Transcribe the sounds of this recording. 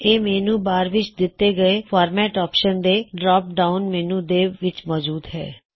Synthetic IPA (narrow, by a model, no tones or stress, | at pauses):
eːmɛːnũːbaːɾʋɪt͡ʃd̪ɪt̪ːeːɡəeːpʰaːɾmɛːʈɔːpʃənd̪eːɖɾaːp̚ɖaːʊnmɛːnũːd̪eːʋɪt͡ʃmɔːd͡ʒuːd̪ɦɛ̰ː